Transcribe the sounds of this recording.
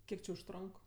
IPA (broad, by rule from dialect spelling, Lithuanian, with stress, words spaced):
ˈkʲiɛk t͡ʃʲɪ ʊʃˈtroːŋk